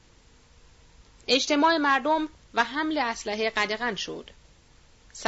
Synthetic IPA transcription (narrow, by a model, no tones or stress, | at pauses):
ʔe̞d͡ʒt̪ʰemɒːe̞mæɾd̪om | væɦæmleæslæɦeɢæd̪eɣænʃo̰d̪̥ | s